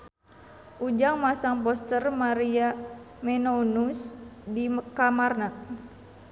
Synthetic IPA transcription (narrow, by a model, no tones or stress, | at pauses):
ʔud͡ʒaŋmasaŋpɔst̪ərmaɾia | mɛnonusdikamarnaʔ